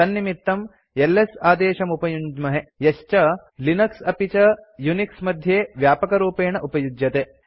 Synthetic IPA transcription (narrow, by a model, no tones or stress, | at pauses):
ɐnːimit̪ːɐm | elːesaːd̪eːʃɐmupɐjuɲd͡ʒmɐɦejɐʃt͡ʃɐ | linɐksɐpit͡ʃɐjuniksmɐd̪ʱjeːʋjaːpɐkɐɾuːpeːɳɐʔupɐjud͡ʒ̪jɐt̪e